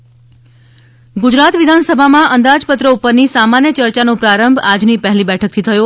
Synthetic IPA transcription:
ɡʊd͡ʒɾat̪ʋɪd̪ʱansəbʱamãʔənd̪ad͡ʒpət̪ɾəupəɾnisamanjət͡ʃəɾt͡ʃanõpɾaɾəmbʱad͡ʒnipəɦlibɛʈʰək̚t̪ʰit̪ʰəjo

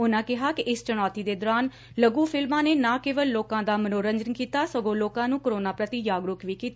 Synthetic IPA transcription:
ʊnãːkɪɦaːkɪʔɪst͡ʃəɽ̃ɔːt̪iːd̪eːd̪ɔːɾaːn | ləɡuːpʰɪlmãːneːnãːkeːʋəlloːkãːd̪aːmənoːɾəɲd͡ʒənkiːt̪aːsəɡõːloːkãːnũːkoɾoːnaːpɾət̪iːjaːɡɾʊkʰʋiːkiːt̪aː

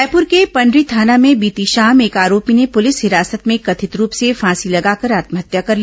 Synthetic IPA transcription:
pʊɾkepɐ̃ɳɖɾit̪ʰaːnamẽbiːt̪iʃaːmeːkaːɾoːpinepʊlɪsɦɪɾaːsət̪mẽkɐt̪ʰɪt̪ɾuːpsefãːsilɐɡaːkɐɾaːt̪məɦət̪jakɐɾl

